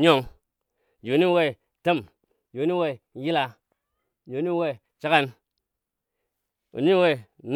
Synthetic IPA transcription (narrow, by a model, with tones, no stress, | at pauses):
ɲo˦˨ŋ˨ | d͡ʒo˨ni˦we˦˨ | te˦˨m˨ | d͡ʒo˨ni˦we˦˨˦ji˦la˧ | d͡ʒo˨ni˦we˦˨ | t͡ʃa˦ka˦n | ṵ˨ɲi˦we˦˨n